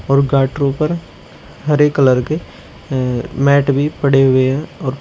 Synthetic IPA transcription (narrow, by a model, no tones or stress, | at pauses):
ɔːɾɡaːʈɾõpəɾ | ɦəɾeːkələɾke | mɛːʈbʱipɐɽeɦʊeɦɛ̃ɔːɾ